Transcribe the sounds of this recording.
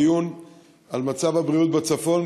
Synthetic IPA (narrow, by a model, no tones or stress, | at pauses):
jun | almat͡savhabʁiut̪̚bet͡safo̞n